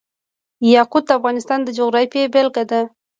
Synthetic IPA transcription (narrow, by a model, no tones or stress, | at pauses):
jɑqud̪̚d̪əafɣɑnɪst̪ɑnd̪əd͡ʒoɣɾɑfebelɡad̪a